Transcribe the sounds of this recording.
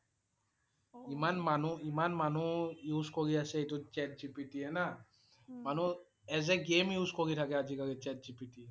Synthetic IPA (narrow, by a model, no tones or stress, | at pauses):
imanmanuimanmanujuskoɡiaseetut͡ʃɛʈ̚d͡ʑipiʈiɛna | manu | ɛd͡ʑeɡemjuskoɡit̪ʰakead͡ʑikaɡet͡ʃɛʈ̚d͡ʑipiʈi